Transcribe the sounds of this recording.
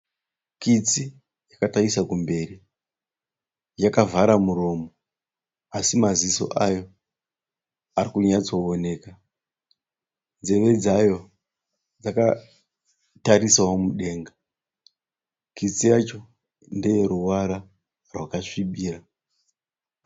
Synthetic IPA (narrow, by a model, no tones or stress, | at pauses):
kit͡si | jakataisakumbe̞ri | jakavaɾamuɾo̞mo | asimaziso̞̰ʔajo̞ | arikuɲat͡so̞one̞ːka | nd͡ze̞ʋe̞d͡zajo̞ | d͡zaka | taɾisawomuɗe̞ːŋɡa | kit͡sijat͡ʃo̞ | ndeje̞ɾuwaɾa | rwakaʂiɓiːra